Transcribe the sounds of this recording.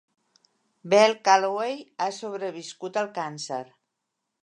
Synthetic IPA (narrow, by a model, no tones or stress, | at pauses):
bɛlˠkalwejasoβɾəβiskut̪əlˠkansə̰ɾ